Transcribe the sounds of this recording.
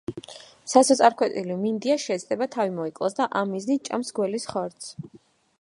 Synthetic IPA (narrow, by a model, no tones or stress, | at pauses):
sasɔt̪sʼaɾkʰwɛt̪ʼilimind̪iaʃɛːt̪sd̪ʼɛbat̪ʰavimɔikʼlˠa̰sd̪aʔamːiznit̪̚t͡ʃʼa̰msɡwɛlisχɔɾt̪sʰ